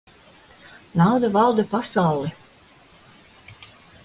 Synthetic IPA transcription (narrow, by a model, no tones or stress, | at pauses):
nawd̪avɑlˠd̪apasɑwlˠi